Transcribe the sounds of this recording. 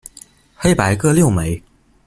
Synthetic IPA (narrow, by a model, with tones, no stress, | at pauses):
xe˥ɪpa˧˥ɪkɤ˥˧ljo˥˩ʊme˨˦ɪ